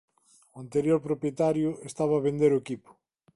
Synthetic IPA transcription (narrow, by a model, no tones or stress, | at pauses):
oant̪eɾjoɾpɾopjet̪aɾjʊest̪aβaːβend̪eɾoekipʊ̥